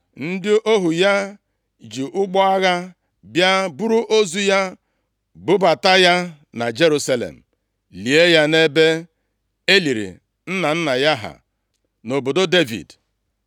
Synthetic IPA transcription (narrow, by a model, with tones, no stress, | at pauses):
n̩˦dɪ˦ʔo˦ɦu˨ja˦ | d͡ʒi˨ʔʊ˦ɡ͡bɔ˦a˦ɣa˦ | bja˦bʊ˦ɾu˦ʔo˦zu˦ja˦ | bʊ˦ba˨ta˦ja˦ | na˨d͡ʒe˦ɾu˦sa˦lḛ˨m̩˨ | li˨e˦ja˦ne˦be˦ | e˦li˨ɾḭ˨ | n̩˦na˨n̩˦na˨ja˦ɦa̰˨ | no˨bo˨do˦de˦vḭ˨d